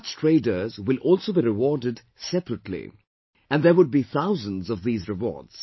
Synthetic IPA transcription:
t͡ʃtʰɹeɪdə˞zwɪlʔɔːlˠsoːbiɾɪwɔɹdɪd | sɛpɾətlḭ | æ̃nðəwʊd̚biθaʊzə̃nzɔvðiːzɹɨwɔ̰ːɹdz̥

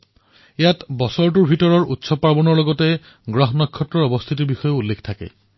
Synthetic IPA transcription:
ejatbɔsɔɹt̬uɹbʱitɔɹɔɹutsɔpaɹbɔnɔɹlɔɡɔte | ɡɹɔɦɔnɔkʰːɔtɹɔɹɔbɔst̪ʰitiɹbixɔjɔulːekʰtʰakɛ̰

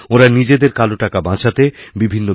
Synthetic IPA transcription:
oɾanid͡ʑed̪eɾkaloʈakabãt͡ɕʰat̪ebibʱinːo

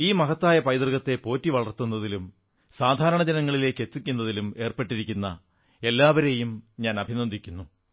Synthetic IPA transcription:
iːmɐɦɐt̪ːaːjɐpɐjd̪rɣɐt̪ːe̞po̞ːtːiʋɐɭɐrt̪unːɐðilum | saːd̪ʱaːɾɐɳɐd͡ʑɐnɐŋːɐɭile̞ːkːe̞t̪ːikʲːunːɐðilume̞ːrpe̞ʈːiɾikʲːunːɐ̰ | e̞lːaːʋɐɾe̞jumɲaːnɐbʱinond̪ʱikʲːunːu

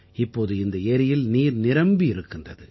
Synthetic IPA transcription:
ɪpːoːðɯɪnd̪ɐeːɾɪjɪlniːɾnɪɾɐmbiɪɾɯkːɯndrɐðɯ

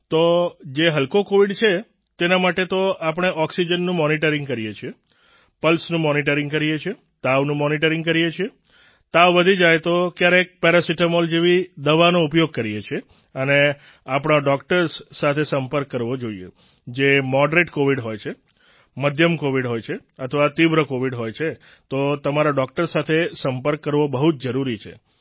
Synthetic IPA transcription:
t̪od͡ʒeɦəlkokoʋiɖt͡ʃʰe | t̪enamaʈet̪oapəɽ̃eʔɔksid͡ʒənːũmɔniʈəɾɪ̃ŋɡkəɾijet͡ʃʰie | pəlsnũmɔniʈ̬əɾɪ̃ŋɡkəɾijet͡ʃʰie | t̪aʋnũmɔniʈəɾɪ̃ŋɡ̚kəɾijet͡ʃʰie | t̪aʋʋəd̪ʱid͡ʒajt̪okjaɾeːk̚pɛɾasiʈəmold͡ʒeʋid̪əʋanoupjoɡ̚kəɾijet͡ʃʰe | əne | apɽ̃aɖɔkʈəɾsːat̪ʰesəmpəɾkːəɾʋod͡ʒoiḛ | d͡ʒemɔɖɾeʈkoʋiɖɦojt͡ʃʰe | məd̪ʱjəmkoʋiɖɦojt͡ʃʰeət̪ʰʋat̪iʋɾəkoʋiɖɦojt͡ʃʰe | t̪ot̪əmaɾaɖɔk̚ʈəɾsat̪ʰesəmpəɾkːəɾʋobəɦut̪̚d͡ʒəɾuɾit͡ʃʰḛ

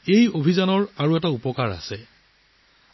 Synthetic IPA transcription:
ejobʱizanɔɹaɹuɛtaupɔkaɹa̰sɛ

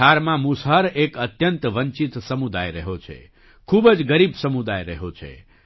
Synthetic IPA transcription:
aɾmãmusɦəɾekət̪jənt̪ʋəɲt͡ʃit̪səmud̪ajɾəɦot͡ʃʰḛ | kʰubəd͡ʒɡəɾibsəmud̪ajɾəɦot͡ʃʰḛ

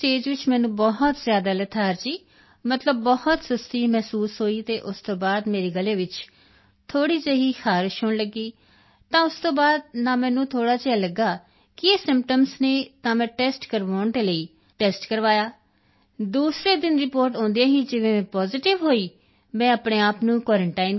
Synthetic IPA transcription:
ʈeːd͡ʒʋɪt͡ʃmɛ̃ːnũːbɔɦt̪zjaːd̪aːlət̪ʰaːɾt͡ʃiː | mət̪ləbːɔhət̪səst̪iːmɛːsuːsɦoːiːt̪eːʔʊst̪õːbaːd̪meːɾeːɡəleːʋɪt͡ʃ | t̪ʰoːɽiːt͡ʃəɦiːxaːɾɪʃɦʊɳləɡːiː | t̪ãːʊst̪õːbaːd̪̚naːmɛ̃ːnũːt̪ʰoːɽaːt͡ʃeaːləɡːaː | kɪeːsɪ̃mpʈəmsneːt̪ãːmɛ̃ːʈɛːsʈkəɾʋaːɳd̪eːləiː | ʈɛːsʈkəɾʋaːjaː | d̪uːsɾeːd̪ɪnɾɪpoːɾʈõːnd̪ejãːɦiːd͡ʒɪʋẽːmɛ̃ːpɔːzɪʈɪʋɦoːiː | mɛ̃ːəpɽeːaːpnũːkwɔːɾəɳʈaːɪn

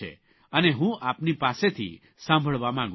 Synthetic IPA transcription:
ḛ | əneɦũʔapnipaset̪ʰḭ | sãmbʱəɭʋamãŋɡ

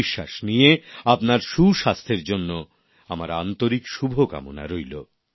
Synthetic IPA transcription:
iʃːaʃnijeapnaɾʃuʃast̪ʰeɾd͡ʑonːo | amaɾant̪oɾikʃubʱoka̰mo̰na̰ɾojlo

